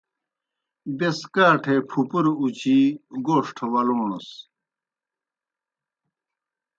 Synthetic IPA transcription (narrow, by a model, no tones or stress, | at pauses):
beskaːʈʰepʰupuɾut͡ɕiɡoːʂʈʰwɐluːnus